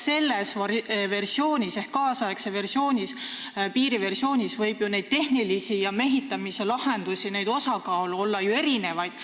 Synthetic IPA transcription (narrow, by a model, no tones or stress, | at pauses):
se̞lːesɑve̞rsio̞ːnʲise̞hkkːɑːsɑekseve̞rsio̞ːnʲis | piːɾive̞rsio̞ːnʲisvɤjb̥june̞jd̪̥̚t̪e̞hnilisijɑme̞ɦit̪ːˑɑmise̞lɑhe̞nd̪̥usʲine̞jd̪̥o̞sɑkɑːluo̞lːɑjue̞ɾine̞vɑjd̪̥